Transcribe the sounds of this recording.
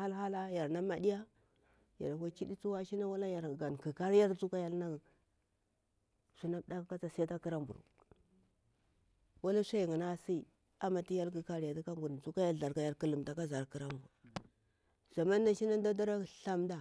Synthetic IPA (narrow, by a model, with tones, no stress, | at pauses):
a˦lɦa˦la˦ja˨ɾna˦ma˨di˦ja˦ | ja̰˨ɾkʷa˦t͡ʃi˦di˦t͡su˦wa˦ʃi˦na˦wa˦la˦ja˨ɾɡa˨nki˨ka˦ɾja˦ɾt͡su˦ka˦ja˦lna˦˨ | su˦na˦da˦kka˦t͡sa˨sa˦ta˦ki˦ɾa˦mbṵ˨ɾṵ˨ | wa˦la˦sʷa˦˨ŋa˨na˦si˦˨ | a˨ma˨ti˦ja˦lki˨ka˦ɾja˨ti˦ka˦mbu˨ɾt͡su˦ka˦ja˦lɮa˨ɾka˨ja˨ɾki˦lu˨mda˨ka˦za˨ɾki˦ɾa˦mbu˨ɾ | z̥a˨ma˦nː˦a˦ʃi˦na˦n˦da˦da˦ɾa˦˨ɬa˦mda˨